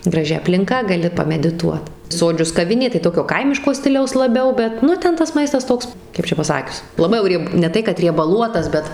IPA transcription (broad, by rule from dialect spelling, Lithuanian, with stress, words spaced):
ɡrɐˈʒʲɪ ɐpʲlʲɪŋˈkɐ ɡɐˈlʲɪ pɐmʲɛdʲɪˈtuɔt ˈsoːd͡ʒʲʊs kɐˈʋʲɪnʲeː tɐɪ ˈtoːkʲoː ˈkɐɪmʲɪʃkoː ˈsʲtʲɪlʲɛʊs lˠɐˈbʲɛʊ ˈbʲɛt ˈnʊ ˈtʲɛn tɐs ˈmɐɪstɐs ˈtoːks ˈkɐɪp t͡ʃʲɛ pɐˈsɑːkʲʊs lˠɐˈbɐɪ jɛʊ ˈrʲiɛp nʲɛ ˈtɐɪ kɐt rʲiɛbɐˈlˠuɔtɐs ˈbʲɛt